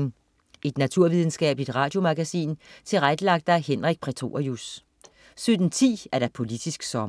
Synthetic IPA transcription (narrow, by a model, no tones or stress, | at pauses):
ŋ̩ | ʔe̝d̥næt͡sʰuɐ̰ʋið̞ˠn̩sɡ̥ɛ̰ːb̥lid̥ʁɑ̈ːd̥jo̝mɑɡ̥æsḭːnt͡sʰe̝lʁaɡ̥əlɑ̈ɡ̥̚d̥ɑæhenʁaɡ̥̚pʰʁit͡sʰo̝̰ːɐjus | sød̥n̩t͡sʰḭːæɐɾ̥ɑ̈pʰo̝lid̥isɡ̥sɒ̽